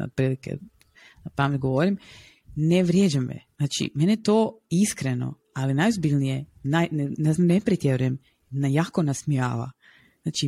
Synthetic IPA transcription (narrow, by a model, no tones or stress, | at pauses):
o̰t̪̚pɾiːlikḛ | apamet̪ʲɡoʋoɾim | neʋɾjed͡ʒamḛz̥naːt͡ʃḭmenet̪oːiskɾeno̞̰ | alinajozbiʎnijenajnnenepɾit̪jeɾujem | najaːkonasmia̰ːʋa̰ | znaːt͡ʃi